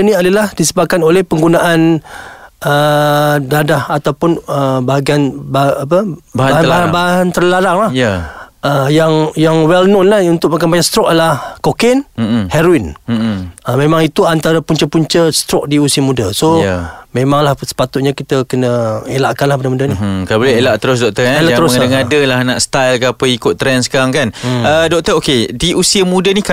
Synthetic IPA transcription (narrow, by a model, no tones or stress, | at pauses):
əniadəlahdisəbap̚kanolɛhpəŋɡunaʔan | ədadahat̪awpʊnəbaɡianbaapəaabaɦanbaɦant̪ərlaɾaŋlah | əjaŋjaŋwɛlnonlahunt̪ʊk̚makanbaɲast̪ɾɔk̚aəlahkokɛnhɛɾoin | əmẽmãŋit̪uant̪aɾəpuɲt͡ʃəpuɲt͡ʃəst̪ɾɔk̚diusiəmudasomemãŋlahsə̥pat̪ʊt̪̚ɲakit̪əkənəelaʔkanlahpbənamudanikalabolɛhelaʔt̪əɾʊs̬dɔk̚t̪əaelaʔt̪əɾʊadaŋadəlahnaʔst̪ajlkaapəikʊt̪ːɾɛnsə̥kaɾaŋkanədɔk̚t̪əokediʔusiəmudənik